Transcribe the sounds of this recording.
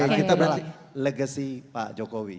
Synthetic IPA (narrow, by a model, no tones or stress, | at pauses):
akit̪abəɾala | ləɡəsipa̰ʔd͡ʒokowi